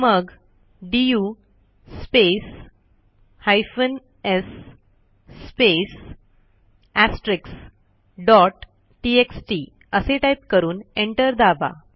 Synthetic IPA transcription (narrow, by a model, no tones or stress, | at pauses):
məɡ | ɖiju | spes | hajfən | esː | pes | æsʈɾɪks | ɖɔʈː | ieksʈi | əseʈajp̚kəɾuːnẽɳʈəɾd̪aba̰